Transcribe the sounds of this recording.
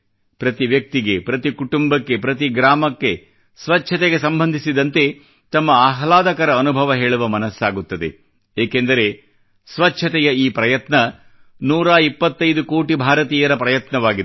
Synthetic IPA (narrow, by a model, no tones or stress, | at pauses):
pɾɐt̪iʋjɐk̚t̪iɡepɾɐt̪ikuʈumbɐkːe̞pɾɐt̪iɡɾaːmɐkːe | sʋɐt͡ʃːt͡ʃʰːɐt̪ɛɡe̞sɐmbɐnd̪ʱisid̪ɐnt̪e̞ | t̪ɐmːɐaːɦlaːd̪ɐkɐɾɐːnubʱɐʋɐɦe̞ːɭuʋɐmɐnɐsːaːɡut̪ːɐd̪e̞̰ | eːkend̪ɐɾe̞ | sʋɐt͡ʃʰɐt̪ɛjɐiːpɾɐjɐt̪nɐ | nuːɾaːipːɐt̪ːɐjd̪ukoːʈibʱaːɾɐt̪iːjɐɾɐpɾɐjɐt̪nɐʋaːɡi